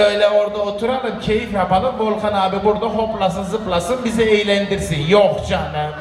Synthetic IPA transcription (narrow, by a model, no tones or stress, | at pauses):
øjlʲɛoɾd̪aot̪ʰuɾalˠɯmcʰejifjapʰalˠɯmbolˠqanaːbibuɾd̪aɦoplˠasɯnzɯplˠasɯnbizɛejlʲænd̪iɾsinjoχd͡ʒanɛ